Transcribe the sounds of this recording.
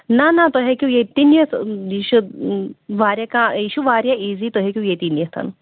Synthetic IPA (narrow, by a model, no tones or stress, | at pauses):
nanat̪oɦekʲiũjet̪injɐsjiːʃu | ʋaːɾjakãjiʃuʋaːɾʲjaʔiːzit̪oɦekʲjũjet̪injest̪ʰɐ̰n